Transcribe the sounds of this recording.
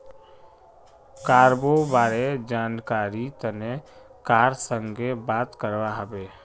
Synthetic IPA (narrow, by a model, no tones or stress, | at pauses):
kaːɾbobaːɾed͡ʒaːnkaːɾit̪əne | kaːɾsəŋɡebaːt̪kəɾwaɦəbe